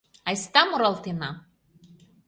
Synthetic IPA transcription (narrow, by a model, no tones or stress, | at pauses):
ajst̪amuɾalˠt̪ina